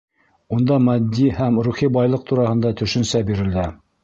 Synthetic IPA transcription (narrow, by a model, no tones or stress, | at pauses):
und̪ɑmæd̪ːihæmɾuχibɑjlˠɤq̚t̪uɾɑhɤ̆nd̪ɑt̪ɵ̆ʃɘ̆nsæbiɾɘ̆ld̪æ